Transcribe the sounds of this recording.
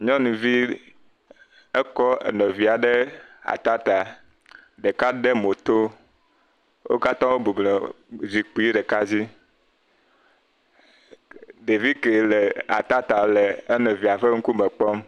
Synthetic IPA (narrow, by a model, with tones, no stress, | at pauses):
ɲɔ̃˦nũ˨vi˦ | ɛ˦kɔ˦ḛ˨nɔ̃˨vi˨a˨ɖɛ˦a̰˨t̪a˦t̪a˨ | ɖe˨ka˦ɖe˦mo˨t̪o˦ | wʔo̰˦ka˦t̪ã˦wo˦bu˨blɔ˨zi˨k͡pu˨˦i˦ɖɛ˨ka˦d͡ʑi˦ | ɖe˨vi˦ke˨lɛ˨a̰˨t̪a˦t̪a˨lɛ˨e˦nɔ̃˨vi˨a˨ɸe˦ŋ̩˦ku˦mɛ˨k͡pɔ˦m